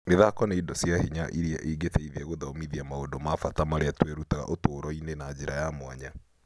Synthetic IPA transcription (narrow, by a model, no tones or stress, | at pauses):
neðakɔneidɔsjahiɲaʔiɾiaʔiːɡetɛiðɛɣoðaomiðiamaondomafatamaɾeatweɾutaɣa̰ʔotoːɾɔinenad͡ʑeɾajamwaɲa